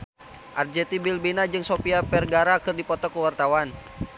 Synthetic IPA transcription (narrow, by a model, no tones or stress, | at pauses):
ʔard͡ʒɛt̪ibilbinad͡ʒɨŋsopiapɛrɡaɾakɨrdipɔt̪ɔkəwart̪awan